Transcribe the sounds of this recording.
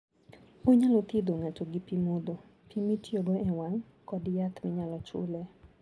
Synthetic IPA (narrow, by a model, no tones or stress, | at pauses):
oɲalot̪id̪oŋatoɡipimod̪o | pʰimitjoɡoɛwaŋ | kɔdjat̪mɪɲalɔt͡ʃʊ̰lɛ